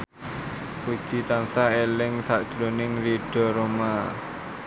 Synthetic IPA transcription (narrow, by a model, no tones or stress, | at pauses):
ku̥ʒ̥i̤t̪ansaelɪŋsad̥ʒ̥ɾonɪŋriɖ̥ɔ̤ɾoma